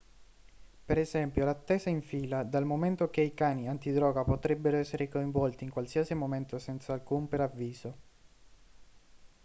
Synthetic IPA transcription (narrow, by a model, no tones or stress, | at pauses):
peɾɛzɛmpjolat̪ːeːzaiɱfiːlad̪almoment̪okeikaːniant̪id̪ɾɔːɡapot̪ɾɛbːeɾoɛsːeɾekoĩɱvɔlt̪iːŋkwalsiasimoment̪osɛnt̪saːlkumpeɾavːiːzo